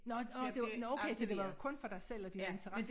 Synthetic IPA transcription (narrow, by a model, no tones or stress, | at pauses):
nɒd̥enoʊkʰeɪsɒd̥e̝ʋɑ̈kʰɔ̽nfɒ̽ɾ̥ɑ̈ɪsel̰ɒd̥ine̝nt͡sʰəʁas